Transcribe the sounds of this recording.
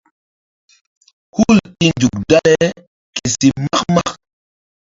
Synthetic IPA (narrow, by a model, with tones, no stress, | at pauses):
hu˦˨li˦nd͡ʒu˨k̚da˦le˦ | ke˨si˨ma˦kma˦k